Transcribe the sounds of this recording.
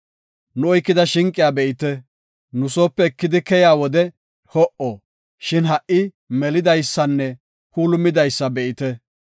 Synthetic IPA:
nʊɔjkːɪd̪ɐʃɪŋkʼːɪjaːbɛʔɪt̪ɛ | nʊsoːpːɛkːɪd̪ɪkɛjaːwɔd̪ɛ | hɔʔoː | ʃɪnɦɐʔɪ | mɛlɪd̪ɐjsːɐnːɛ | kuːlʊmːɪd̪ɐjsːɐbɛʔɪt̪ɛ

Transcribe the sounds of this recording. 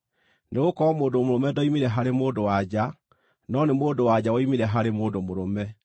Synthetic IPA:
neɣokɔɔmoːdomoɾomɛdɔimeɾɛɦaɾemoːdowad͡ʑa | nɔnemoːdowad͡ʑawɔimeɾɛɦaɾemoːdomoɾomɛ

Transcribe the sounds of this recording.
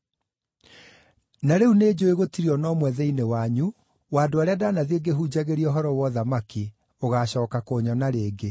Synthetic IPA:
naɾeuned͡ʑoeɣotiɾiɔnɔmwɛðɛinewaɲu | waːdoaɾeadanaðieɡeɦud͡ʑaɣeɾiɔɦɔɾɔwɔðamaki | oɣaːɕɔːkakoːɲɔnaɾeːɡe

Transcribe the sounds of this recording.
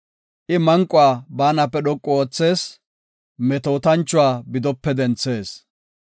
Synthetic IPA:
ʔɪmɐŋkʼːʊwaːbaːnɐpːɛɗɔkʼːɔoːt͡sːe̞ːs | mɛt̪oːt̪ɐnt͡ʃːʊwaːbɪd̪ɔpːɛd̪ɛnt͡sːe̞ːs

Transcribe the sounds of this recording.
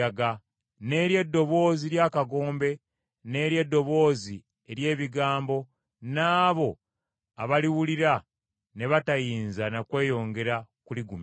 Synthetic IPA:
aɡa | ne̞ːɾje̞dːo̞βo̞ːziɾjaːkaɡo̞ːmbe̞ | ne̞ːɾje̞dːo̞βo̞ːzi | eɾje̞ːβiɡaːmbo̞ | naːβo̞ | aβaliwuliɾa | ne̞βatajiːnzanakwe̞ːjo̞ːŋɡe̞ɾakuliɡume

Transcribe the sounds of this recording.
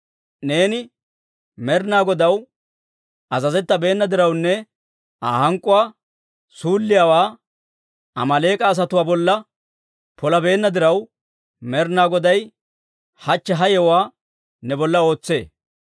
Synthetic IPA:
ne̞ːnɪ | mɛɾnaːɡɔd̪ɐw | ʔɐzɐzɛt̪ːɐbe̞ːnːɐd̪ɪɾɐwnːɛ | aːhɐŋkʼʊwaː | suːlːɪjaːwaː | ʔɐmɐle̞ːkʼɐːs̬ɐt̪ʊwaːbɔlːɐ | pʰɔlɐbe̞ːnːɐd̪ɪɾɐw | mɛɾnaːɡɔd̪ɐj | hɐt͡ʃːɛɦɐjɛwaː | nɛbɔlːɐo̞ːt͡sːe̞̰ː

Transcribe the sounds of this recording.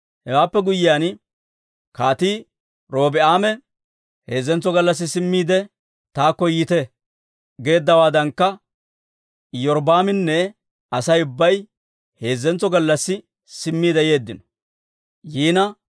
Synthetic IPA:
hɛwaːpːɛɡʊjːɪjaːn | kaːt̪iː | ɾo̞ːbɪaːmɛ | he̞ːzːɛnt͡sːɔɡɐlːɐs̬ːɪsɪmːiːd̪ɛ | t̪aːkːɔjɪt̪ɛ | ɡe̞ːd̪ːɐwaːd̪ɐŋkːɐ | jɔɾbaːmɪnːɛ | ɐsɐjʊbːɐj | he̞ːzːɛnt͡sːɔɡɐlːɐsːɪ | sɪmːiːd̪ɛje̞ːd̪ːɪnɔ̥ | jiːnɐ

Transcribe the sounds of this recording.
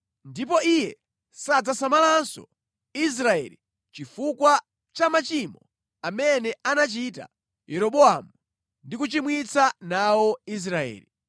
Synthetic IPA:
ndip̬ɔijɛ | sad͡zasamalansɔ̰ | is̬ɾaɛ̰li | t͡ʃifukwa | t͡ʃamat͡ʃimɔ | amɛnɛanat͡ʃita̰ | jɛɾɔɓɔamu | ndikut͡ʃimwit͡sʰanawɔis̬ɾaɛ̰ːli

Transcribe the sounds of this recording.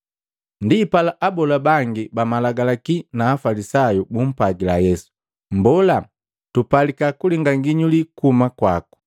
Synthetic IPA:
ndiːpalaʔabɔlabaŋɡibamalaɡalakinaːfalisajubum̩paɡilajɛsu̥ | mbɔla | tupalikakuliŋɡaŋɡiɲulikumakwaku̥

